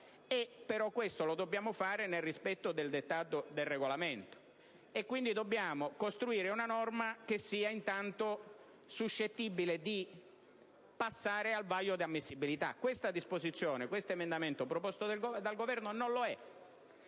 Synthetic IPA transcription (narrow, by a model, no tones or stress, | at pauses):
epːeɾɔkːwest̪olod̪obːjaːmofaːɾenelrispɛt̪ːod̪eld̪et̪ːaːt̪od̪elrːeɡolament̪o̥ | ekːwind̪id̪obːjaːmokost̪ɾuiːɾeunanɔrmak̟esːiːaint̪ant̪o | suʃːet̪ːibiled̪i | pasːaːɾealvajːod̪iamːisːibilit̪a̰kwest̪ad̪ispozit̪sːjoːnekwest̪oemend̪ament̪opɾopɔst̪oɡd̪alɡovɛrnononloɛ